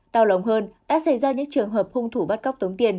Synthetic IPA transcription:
ɗaː˧˩wlə˨˩wŋ͡mɦəː˧nɗ̪a̰ː˧˥sa˧˩jzaː˧ɲɨ̰˧˥ŋt͡ɕɨ˨˩əŋɦəː˨˩p̚hʊ˧ŋ͡mt̪ʰu˧˩ɓa˦˥t̚ka˦˥wk͡p̚t̪ə˨˦wŋ͡mt̪i˨˧˩ən

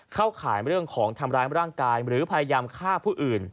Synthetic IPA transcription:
kʰa˥˩wkʰaː˩˦jɾɯ˥˩əŋkʰɔː˩˦ŋt̪ʰa˧mɾaː˦˥jɾaː˥˩ŋkaː˧jɾɯː˩˦pʰa˧ja˧jaː˧mkʰaː˥˩pʰuː˥˩ʔɯː˨˩n

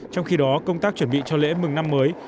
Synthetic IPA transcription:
t͡ɕɔ˧wŋ͡mxi˧ɗɔ˨˦kə˧wŋ͡mt̪aː˦˥k̚t͡ɕwə˧˩nɓḭ˧˨t͡ɕɔ˧lḛ˧˥mɨ˨˩ŋna˧mːəː˨˦j

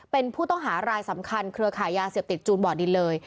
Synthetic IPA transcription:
pe˧npʰuː˥˩t̪ɔ˥˩ŋɦaː˩˦ɾaː˧jsa˩˦mkʰa˧nkʰɾɯ˧ɐkʰaː˨˩˦jːaː˧seː˨˩p̚t̪i˨˩t̪̚t͡ɕuː˧nbɔː˨˩di˧lɤː˧j

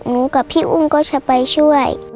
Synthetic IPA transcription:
nũ˨˦ka˨pʰi˦ʔṵ˦ŋ˦kɔ˦t͡ʃʰa˧pa˧jʃu˦a˦˨j̰

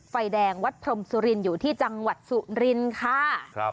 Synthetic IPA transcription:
fa˧jdɛː˧ŋwa˦˥t̪̚pʰɾo˧msu˧ɾi˧njuː˨˩t̪ʰiː˥˩t͡ɕa˧ŋwa˨˩t̪̚su˨˩ɾi˧nkʰa˥˩

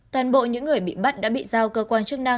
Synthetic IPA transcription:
t̪waː˨˩nɓo̰˧˨ɲɨ̰˧˥ŋːɨ˨˩əjɓḭ˧˨ɓa˦˥t̚ɗa̰ː˧˥ɓḭ˧˨zaː˧˩wkəː˧kwaː˧nt͡ɕək̚na˧ŋ

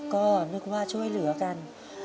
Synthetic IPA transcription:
kɔ˧˩˨nɨ˧˥k̚waː˧t͡ɕo˧jlɨ˨˩˦əka˧˩n

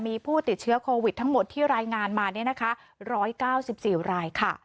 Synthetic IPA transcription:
miː˧pʰuː˥˩t̪i˨˩t̪̚t͡ɕʰɯ˦˥ɐkʰoː˧wi˨˩t̪ʰːa˦˥ŋmo˨˩t̪ʰːiː˥˩ɾaː˧jŋaː˧nmaː˧ni˥˩ɐna˦˥kʰa˦˥ | ɾɔː˦˥jkaː˥˩wsi˨˩p̚siː˨˩ɾaː˧jkʰa˥˩

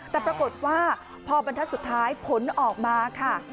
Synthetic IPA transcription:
t̪ɛː˨˩pɾa˧ko˨˩t̪̚waː˥˩ | pʰɔː˧ba˧nt̪ʰa˦˥t̪̚su˨˩t̪ʰːaː˦˥jpʰo˩˦nʔɔː˨˩k̚maː˧kʰa˥˩

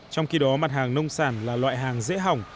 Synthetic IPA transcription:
t͡ɕɔ˧wŋ͡mxi˧ɗɔ˨˦ma˨˩t̚haː˨˩ŋnə˧wŋ͡msaː˧˩nlaː˨˩lwa̰ː˧˨jɦaː˨˩ŋzḛ˧˥ɦa˨˩wŋ͡m

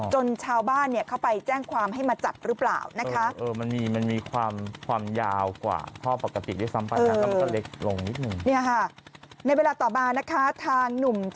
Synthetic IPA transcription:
t͡ɕo˧nt͡ɕʰaː˧wbaː˥˩nːi˥˩ɐkʰa˥˩wpa˧jt͡ɕɛː˥˩ŋkʰwaː˧mɦa˥˩jmaː˧t͡ɕa˨˩p̚ɾɯː˦˥pla̰ː˨˩wna˦kʰa˦˥ʔɤː˧ma˧nmiː˧ma˧nmiː˧kʰwaː˧mkʰwaː˧mjaː˧wkwa̰ː˨˩kʰɔː˥˩pa˨˩kːa˧t̪ḭ˨˩daː˥˩jsa˦˥mpa˧jɤː˧a˧˦˥a˥˩le˦˥k̚lo˧ŋni˦˥t̪̚nɯ˨˩ŋni˥˩ɐ˨kʰa˥˩na˧jweː˧laː˧t̪ɔː˨˩maː˧na˦˥kʰa˦˥t̪ʰaː˧ŋnu˨˩m

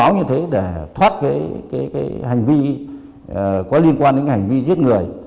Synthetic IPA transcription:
a˨˦wɲɨ˧t̪ʰe˨˦ɗe˧˩t̪ʰwaː˦˥t̚kaː˨˦jkaː˨˦jkaː˨˦jha˨˩jŋ̟vi˧˨˩ | kɔ˨˦li˧ənkwaː˧nde˨˦nka˨˦ha˨˩ŋ̟vi˧zi˦˥ət̚ŋɨ˨˩əj

